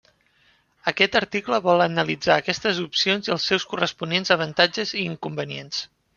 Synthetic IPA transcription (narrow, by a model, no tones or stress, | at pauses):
əkɛt̪əɾt̪ikləβɔlˠənəlid͡zaːkɛst̪əzupsionziəlˠsːɛwskurəspunenzəβənt̪ad͡ʒəziːŋkumbəniens